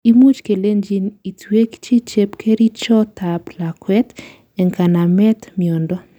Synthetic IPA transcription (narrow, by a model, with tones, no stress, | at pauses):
i˦mu˦t͡ʃke˨le˦nd͡ʒi˦ni˨twe˦kt͡ʃi˦t͡ʃe˦pkʰe˦ɾi˦t͡ʃɔ˦ta˨pla˨kwɛ˦t | ɛ˨ŋka˨na˨mɛ˦t̪miɔ˨ndɔ˦